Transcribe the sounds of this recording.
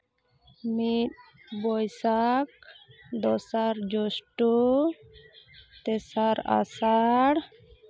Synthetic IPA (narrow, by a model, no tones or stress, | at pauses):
mit̪̚ | bɔjsak̚d̪ɔsaɾd͡ʒɔsʈɔ | t̪ɛsaɾa̰saɽ